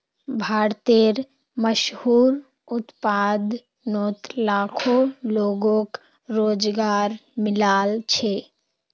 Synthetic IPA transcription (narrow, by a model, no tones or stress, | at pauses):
bʱaːɾt̪eɾ | məʃhuːɾ | ʊt̪pad̪ | not̪laːkʰoloːɡõk | ɾoːd͡ʒɡaːɾmɪlaːlt͡ʃʰe